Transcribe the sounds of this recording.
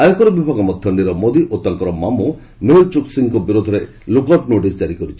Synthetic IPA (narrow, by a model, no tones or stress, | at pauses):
ajɔkɔɾɔbibʱaɡɔmɔd̪ʱjɔɳɖiɾɔmod̪iʔot̪aŋkɔɾɔmamu | meɦilt͡ʃuksiŋkɔbiɾod̪ʱɔɾe | lukɔp̚noʈisd͡ʒaɾikɔɾit͡ʃʰi̥